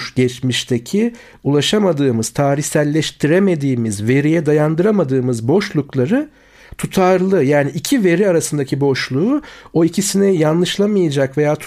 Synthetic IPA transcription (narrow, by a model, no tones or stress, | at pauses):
ʃɟɛt͡ʃmiʃt̪ʰecʰi | ulˠaʃamad̪ɯːmɯz̥t̪ʰaːɾiçsælʲːɛʃt̪ʰiɾeme̞d̪iːmizve̞ɾijɛd̪ajand̪ɯɾamad̪ɯːmɯzbo̞ʃlˠuklˠaɾɯ | t̪ʰut̪ʰaɾlˠɯjaːniʔːcʰive̞ɾiaɾasɯnd̪acʰibo̞ʃlˠuːo̞icʰisinɛjanlˠɯʃlˠamɯjad͡ʒakve̞jaːt̪ʰ